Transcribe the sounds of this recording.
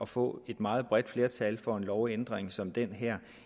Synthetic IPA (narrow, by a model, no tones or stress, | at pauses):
ɒ̽fɔ̰̽ːe̝d̥mɑ̈ːð̞̩ˠb̥ʁɛd̥fle̝ɐt͡sʰɛlfɒ̽e̝nlɒʊend̥ʁeŋsɒ̽md̥en̰ɦæɐ̰